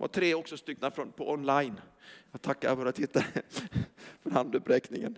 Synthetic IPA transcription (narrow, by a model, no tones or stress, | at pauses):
va̰ʈ̪ʰɾeːɔksɔst̪ʏkːnafɾɔnpʰɔɔnlajnjɑːɡt̪ʰakːa̰ɾfɔɾat̪ʰɪt̪ːaɾə | fœɾhand̪ʉpɾɛːknɪŋə̰n